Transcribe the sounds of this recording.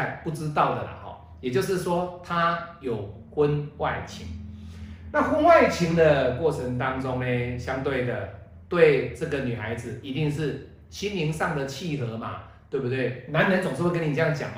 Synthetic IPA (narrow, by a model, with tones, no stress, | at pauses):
pu˥˩ʈ͡ʂɻ̩˦t̪ɑ˥˩ʊd̪ə˨˩la̰˩xɔ̰˨˩ | jɛ˨˩t͡ɕjo˥˧ʊʂ̬ɻ̩˥˩ʂwɔ˦t̪ʰa˦jo˨˩ʊ | xə˦˥nwa˥˩ɪt͡ɕʰḭ˧˥˦ŋ | na˥˨xwə˦˥nwa˥˩ɪt͡ɕʰi˧˥ŋd̪ə˨kwɔ˥˩t͡sʰə˧˦ŋt̪ɑ˦˥ŋt͡sʊ˦ŋne˧ɕjɑ˦ŋt̪we˥˩ɪd̪ə˩ | t̪we˥˨˧ɪʈ͡ʂɤ˥˩ɡə˨ny˨˩xa˧˥ɪd͡z̩˨i˧˦˥t̪i˥˧ŋʂɻ̩˥˩ | t͡ɕʰi˦nli˧˥ŋʂɑ˥˩ŋd̪ə˨t͡ɕʰi˥˩xɤ˧˦ma̰˨˧ | t̪we˥˧bu˥˩t̪we˥˩ɪna˧˦nə˧˦nt͡so˨ŋʂ̩˥˧˥k̬ə˦ni˨˩ʈ͡ʂə˥˧ja˥˩ŋt͡ɕja̰˨˩ŋm